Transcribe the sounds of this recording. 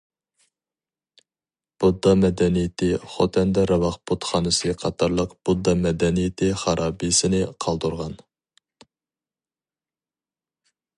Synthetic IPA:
b̥ud̪ːɑmɛd̪ɛnijɪt̪ʰɪχot̪ʰɛnd̪ɛɾɑvɑχbut̪χɑːnɨsɨqʰɑt̪ʰɑɾlˠəqb̥ud̪ːɑmɛd̪ɛnijɪt̪ʰɪχɑɾʔɑːbijsɪnɪqʰɑlˠd̪uɾʁɑn

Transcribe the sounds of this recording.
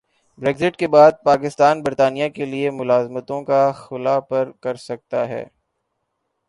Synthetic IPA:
bɾeːɡzɪʈkebaːd̪̚paːkɪst̪aːnbɐɾt̪aːnijakeliemʊlaːzmət̪õkaxʊlapɐɾkɐɾsɐk̚t̪aɦɛ̰ː

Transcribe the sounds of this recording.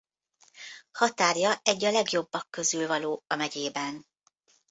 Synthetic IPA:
hɒt̪aːrjɒɛɟːɒlɛɡjo̞bːɒkːøzyːlvɒloːɒmɛɟeːbɛn

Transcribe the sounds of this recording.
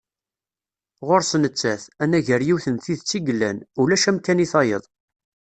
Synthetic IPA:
ʁoɾsnət͡sːæθænæʝəɾjiwθənθiðt͡sːiɡəlːænulæʃæmkæniθɑjə̰ðˤ

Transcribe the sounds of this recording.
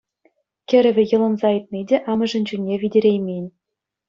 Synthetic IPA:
kʲɘ̆ɾʲɘ̆vʲɘ̆jɤ̆lˠɤ̆nzɑit̪̚mʲedʲeʔɑmɤ̆ʐɤ̆nʲt͡ɕunʲːevʲidʲeɾʲejmʲenʲ

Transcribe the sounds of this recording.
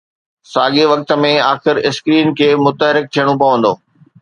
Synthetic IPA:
saːɠeʋɐk̚t̪ə̆mẽaːxɪɾɪskɾiːnkʰeːmʊt̪əɦɾɪk̚t̪ʰijəɽ̃õp̬ɐʋə̃nd̪oː

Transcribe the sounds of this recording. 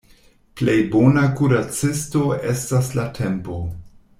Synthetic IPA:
ple̞jbo̞nakuɾat͡sisto̞ʔe̞staslatʰe̞mpo̞

